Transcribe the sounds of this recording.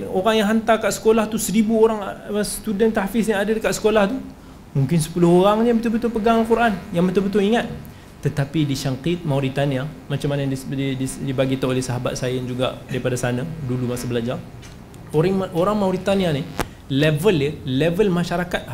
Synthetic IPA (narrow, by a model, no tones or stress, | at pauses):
oɾaŋjaŋɦant̪akaʔsə̥kolaht̪usəɾibuoɾaŋst̪udənt̪aafɪs̬jaŋadadəkaʔ̪sə̥kolaht̪u | muŋkɪnsə̥pulʊhoɾaŋɲabət̪ubət̪ʊlpəɡaŋalkuɾʔanjaŋbət̪ulbət̪ʊliŋat̪̚ː | ət̪apidiʃaŋqit̪̚mawɾit̪ania | mat͡ʃamanəiididibaɡit̪aolɛhsaɦaba̰t̪̚sajaand͡ʒuɡa̰ʔdaɾipadasanadulumasabəlad͡ʒar | oɾoɾaŋmauɾit̪aniani | lɛvələlɛvəlmãʃaɾakat̪̚a